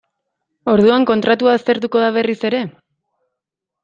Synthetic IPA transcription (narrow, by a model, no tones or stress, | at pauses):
o̞ɾð̞uaŋko̞nt̪ɾat̪uaːst̪e̞ɾt̪uko̞ðaβ̞e̞rise̞ɾe̞